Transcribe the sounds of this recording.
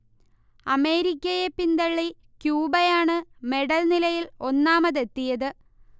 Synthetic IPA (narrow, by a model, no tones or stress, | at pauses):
ɐme̞ːɾikʲːɐjepːind̪ɐɭːi | kjuːbɐjaːɳɨme̞ɽɐlnilɐjilo̞nːaːmɐðe̞t̪ːijɐðɨ